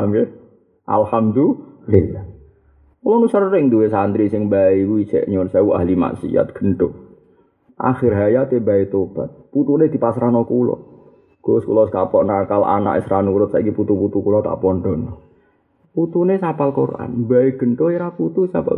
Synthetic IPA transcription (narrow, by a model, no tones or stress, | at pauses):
amke | ʔa̰lhamd̪ulilah | kulɔnusərːɪŋd̪uwesand̪ɾisɪŋbaikuit͡ʃɛ̰ʔɲonsauʔa̰hɦlima̰sḭa̰t̪̚ɡ̥ə̤nʈ̪o | ʔa̰xɪrɦajat̪ebaet̪ob̥at̪̚put̪uned̪̥ipasɾanɔkulɔ̰ | ɡ̥oskṵlɔskapɔʔnakalʔa̰na̰ʔḛsɾanuɾʊt̪̚saikiput̪uput̪ukulɔt̪a̰ʔpɔnd̪ɔnɔ | put̪unesapalkorʔa̰nbaeɡ̥ənt̪oeɾaput̪usa̰a̰